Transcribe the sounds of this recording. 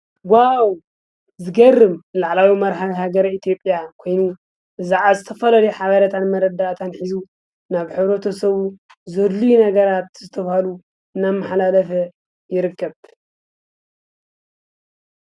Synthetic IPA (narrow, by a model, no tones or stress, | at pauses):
waw | zɨɡɐrːɨmlaʕlawimɐɾħawiɦaɡɐɾɐit̪ʰjo̞pʼjakʰo̞jnu | ʔɨzaʕazɨt̪ʰɐfɐlɐlɐjħaβɐɾɐt̪ʰanmɐɾɐd̪aʔt̪ʰanħizu | naβħɨβɾɐt̪ʰosɐβu | zɐd̪lujunɐɡɐɾat̪zɨt̪ʰɐβahalu | ɨnamːaħlalɐfɐ | jɪɾɨkːɐβ